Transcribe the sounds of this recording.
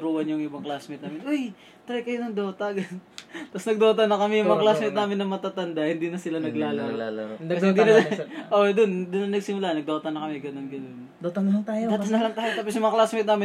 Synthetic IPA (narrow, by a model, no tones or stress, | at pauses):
ɾuːhɐnjʊŋʔɪbɐŋklasmɪt̪naːmɪnʔoj | t̪ɐɾɛjkɐjonɐŋd̪ot̪ɐɡɐt̪ɐsnɐɡ̚d̪o̞ːt̪ɐnɐkɐmɛjʊŋmmɐŋaɐklasmɪt̪naːmɪnːɐmɐt̪at̪ɐnd̪ahɪnd̪inɐsɪlanɐɡlaːl | ɐsɛɪd̪inɐʔod̪ond̪ʊnːɐnɐɡsɪmʊlaːnɐɡ̚d̪o̞ːt̪ɐnɐkɐmɛɡɐnonɡɐnond̪ot̪ɐnɐlaŋt̪aːjoaːɐnːɐlɐŋt̪aːjot̪aːp̬osjʊmɐŋɐklaːsmɛt̪naːmɪ